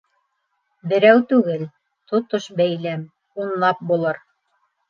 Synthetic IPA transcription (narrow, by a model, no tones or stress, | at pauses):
bɘ̆ɾæwt̪ʉɡɘl | t̪ot̪oʃbæjlæm | unlˠɑp̚bulˠɤɾ